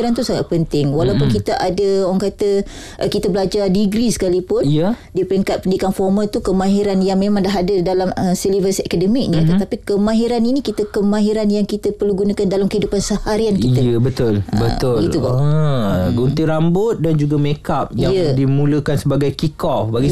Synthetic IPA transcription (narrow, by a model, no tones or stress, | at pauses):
ɾant̪usaŋa̰t̪̚pənt̪ɪŋwalawpʊnkit̪aʔadəowaŋkat̪ə | ʔkit̪abəlad͡ʒadiɡɾisə̥kalipʊnijə | dipəɾiŋkat̪̚pəndikanfɔrmalt̪ukəmãɦiɾanjaŋmemaŋdaɦadədalaməsilivəsakadəmiknit̪ət̪apikəmãɦiɾaninikit̪əkəmãɦiɾanjaŋkit̪əpərluɡunakandalamkəidupansəhaɾiankiəəbət̪ʊlbət̪ʊiuba | ɡunt̪iɾambʊt̪̚dand͡ʒuɡamekap̚jjajədimũləkansəbaɡajkikɔbaɡi